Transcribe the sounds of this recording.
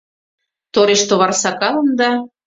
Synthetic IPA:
t̪oɾeʃt̪oβɑrsɑkɑlɤ̆nd̪ɑ

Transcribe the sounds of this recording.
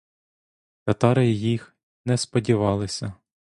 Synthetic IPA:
t̪ɐt̪ɑɾɪjjix | nɛspɔdʲiʋɑlˠɪsʲɐ

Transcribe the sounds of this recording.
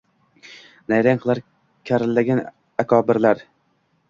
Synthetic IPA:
najɾaŋqʰɨlˠaɾ | kʲʰaɾɪlːaɡʲan | akʰɒːbɪɾlaɾ

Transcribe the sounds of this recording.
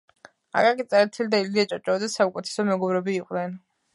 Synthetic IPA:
a̰kʼakʼit̪sʼɛɾɛt̪ʰilid̪aild̪iat͡ʃʼɔt͡ʃʼɔd̪ɛsaukʼɛt̪ʰɛ̥sɔmɛɡɔbɾɛbiːqʼdnɛn

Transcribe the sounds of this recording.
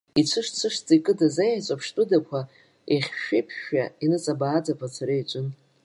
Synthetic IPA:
it͡ɕʷʰɨʂt͡sʰɨʂt͡sʼikʼɨdazajat͡ʃʷʼapʰʂtʷʼʊdakʷʰa | eχʲʃᶣejpʰʃainɨt͡sʼabaːd͡zapʰat͡sʰaɾijt͡ʃʷʼʊn

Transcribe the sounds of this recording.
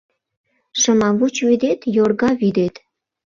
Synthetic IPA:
ʃəmɑβut͡ɕβid̪et̪jorɣɑβid̪et̪

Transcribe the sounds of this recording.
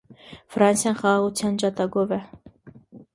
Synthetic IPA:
frɑnsjɑnχɑʁɑʁut͡s̪ʰjɑnd͡ʒɑt̪ɑɡɔvɛ

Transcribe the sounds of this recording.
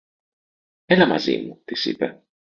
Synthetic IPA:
ɛlama̰zḭmut̪isḭpɛ

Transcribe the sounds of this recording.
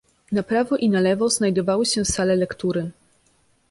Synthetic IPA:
napɾavɔʔinalɛvɔz̥najd̪ɔvawɘɕɛsalɛlɛkt̪uɾɘ

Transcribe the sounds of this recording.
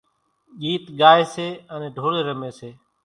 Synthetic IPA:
ɠiːt̪ɠaːeːseːənẽːɖʱoːɽeːɾəmeːseː

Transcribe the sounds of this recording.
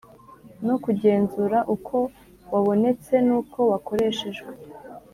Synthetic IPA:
nokuɟe̞ːnzuɾaʔukʰo̞ | waβo̞ne̞t͡se̞nuːko̞wako̞ɾe̞ːʃe̞ʒɡe

